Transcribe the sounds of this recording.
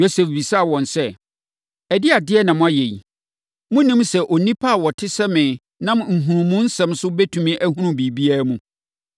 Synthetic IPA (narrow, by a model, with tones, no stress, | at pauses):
jo˦sɛ˨fbi˨sa˦˨wɔ̃˨nsɛ˦ | ɛ˨dɪ˦a˨dɪ˦ɛ˦nã˨mʊ̃˦a˦je˨i˨ | mʊ̃˦nĩ˦msɛ˦ʔo˨nĩ˦pʰa˦a˨wɔ˨tʰɪ˦sɛ˦mɪ̃˨ | nã˦mŋ̩˨ɦũ˨ɾũ˨mũ˦n̩˦sɛ̃˦msʊ˦bɛ˦tʰũ˨mĩ˦ʔæ˦ɦũ˦ɾũ˨bi˨bi˦a˦mũ˨